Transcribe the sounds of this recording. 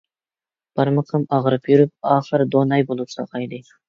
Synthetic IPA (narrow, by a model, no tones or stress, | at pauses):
b̥ɑɾməqʰəmɑʁɾɨpjyɾɪp̚ɑːχəɾd̪onɑjbolˠupsɑ̰qʰɑjd̪ɪj